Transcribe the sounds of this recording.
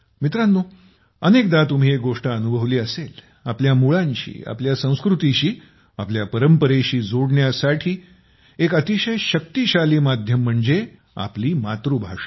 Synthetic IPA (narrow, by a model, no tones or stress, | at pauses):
mit̪ɾanːuː | ənekd̪at̪um̤iːek̚ɡoʂʈaənubʱəʋliːəsel | apljamuɭãɲɕḭːa̰pljasə̃w̃skɾut̪iɕiː | apljapəɾəmpəɾeɕiːd͡zoɽɳjasaʈʰiː | ekət̪iɕəjɕək̚t̪iɕaliːmad̪ʱjəm̤ːəɳd͡ze | a̰pliːmat̪ɾubʱaʂə